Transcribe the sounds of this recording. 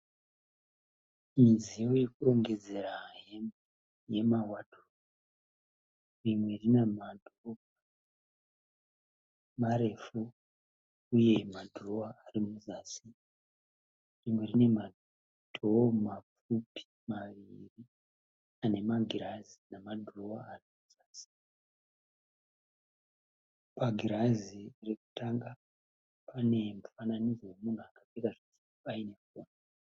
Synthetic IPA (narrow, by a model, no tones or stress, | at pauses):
mizijoje̞kuro̞ŋɡe̞d͡ze̞ɾaɦe̞mbo | je̞mawadʱo | rimwe̞rinemadʱ | maɾe̞fu | uje̞madʱroaarimuzasi | rimwerine̞ma | dʱomap͡f | upi̥ | maʋiri | ane̞maɡʱiɾazinamadʱroaarimuzaːsi̥ | paɡʱiɾazireku̥taŋɡa | pane̞mufananizowe̞mun̤uakakekaʐiti̥ | aine̞foːna